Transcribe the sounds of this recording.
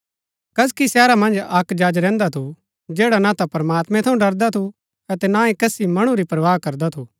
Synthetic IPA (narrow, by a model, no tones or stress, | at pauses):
kɐskisɛːɾamɐ̃nd͡ʒɐkd͡ʒaːd͡ʒɾɛ̃ːnd̪at̪ʰu | d͡ʒɛːɽanat̪apɐɾmaːt̪mɛ̃t̪ʰɐũɖɐɾd̪at̪ʰu | ɐt̪ɛnãːẽkɐsimɐɽ̃uɾipɾɐʋaːɦkɐɾd̪at̪ʰu